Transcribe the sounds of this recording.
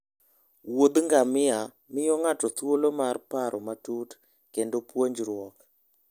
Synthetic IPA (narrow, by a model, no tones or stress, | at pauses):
wod̪ŋɡamɪa | mɪjɔŋatɔt̪wolomarpaɾʔɔmatut | kendopwoɲd͡ʒɾwɔk